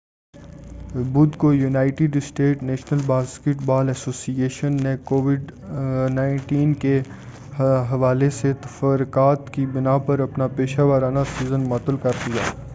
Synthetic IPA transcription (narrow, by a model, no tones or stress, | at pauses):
bʊd̪kojunaːɪʈɪɖɪsʈeːʈneːʃnəlbaːskɪʈbaːlɛːsoːsieːʃənːekoːʋɪɖnãːɪ̃ɳʈiːnke | ɦɐʋaːleset̪ɐfɐɾʊkaːt̪kibɪnaːpɐɾɐpnapeːʃaːʋəɾaːnasiːzənmɐːt̪əlkɐɾd̪ija̰ː